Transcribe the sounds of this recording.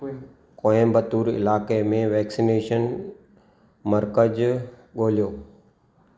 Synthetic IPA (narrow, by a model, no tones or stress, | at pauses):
kõːẽmbət̪uːɾɪ̰laːkemẽʋɛːksineːʃən | mɐɾkəd͡ʑɠoːlijoː